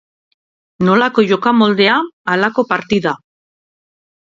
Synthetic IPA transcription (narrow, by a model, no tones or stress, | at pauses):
no̞lako̞ʝo̞kamo̞ld̪e̞aːlako̞paɾt̪iða